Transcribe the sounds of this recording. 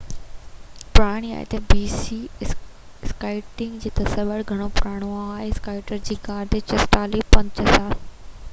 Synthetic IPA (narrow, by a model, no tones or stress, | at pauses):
pʊɾaːɽ̃ia̰ːɦḛt̪ɐbiːsi | skaːɪʈɪ̃ŋɡd͡ʑiːt̪ɐsɐʋəɽɡʱɐɽ̃opʊɾaːɽ̃oaaːɦeskaːɪʈəɾd͡ʑiːkaːɾd̪et͡ɕɐsʈaːlipɐ̃ɲt͡ɕəzaːɾ